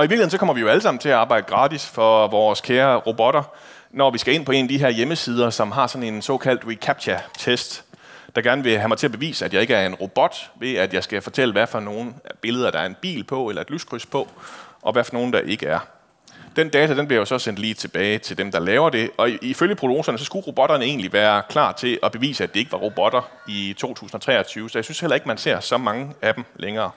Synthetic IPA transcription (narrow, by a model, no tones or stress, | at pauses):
ɒiʋiɡl̩eð̩en̩sɒ̽kɒ̽m̰ɐʋijo̝æləs̬ɑ̈m̰n̩t͡sʰe̝æɑ̈ːbɑ̈ɪ̰d̥əɡ̥ʁɑ̈ːd̥isfɒ̽ʋɒːskʰeːɐʁob̥ɒ̽ɾ̥ɐ | nɒʋisɡ̥æe̝n̰pʰɒ̽e̝nd̥iɦe̝ɐjeməsiːð̞ˠɐsɒ̽mɦɑ̈sɒ̽ne̝nsɒ̰̽ːkʰæl̰d̥ʁikʰæb̥̚ɕʰæt͡sʰesd̥d̥ɑ̈ɡ̥æɐnəʋe̝ɦæmɑɪt͡sʰe̝æɐb̥e̝ʋḭːsəæd̥jɑ̈ɪe̝ɡ̥əæɐe̝nʁob̥ɒ̽d̥ʋe̝æd̥jɑ̈ɪsɡ̥æfɒ̽t͡sʰel̰əʋæfɒ̽no̝ːn̩b̥e̝ləð̞ˠɐd̥ɑ̈æɐe̝nb̥ḭːlpʰɒ̽elɐe̝d̥lyskʰʁyspʰɒ̽ʔɒ̽ʋæɐfɒno̝ːn̩d̥ɑ̈ʔe̝ɡ̥əæɐ | d̥end̥ɛːt͡sʰæd̥enb̥liɐjo̝sɒ̽sen̰d̥liːt͡sʰe̝b̥ɛːɪt͡sʰe̝ld̥emd̥ɑ̈lɛːʊɐd̥e̝ɒ̽iføljəpʰʁo̝lo̝ːsɐnəsɒ̽sɡ̥uʁo̝b̥ɒ̽ɾ̥ɐnəe̝̰ːnliʋæːɐkʰlɑ̰̈ːt͡sʰe̝ʔɒ̽b̥e̝ʋḭːsəæd̥e̝e̝ɡ̥əʋɑ̈ʁob̥ɒ̽d̥ɐ | it͡sʰo̝̰ːt͡sʰṵːsn̩ɒ̽t͡sʰʁɛ̰ːɐt͡sʰyːʊəsɒjɑsynshel̰ɐe̝ɡ̥mænse̝ɐ̰sɒ̽mɑ̈ŋəæd̥em̩lʔeŋɐː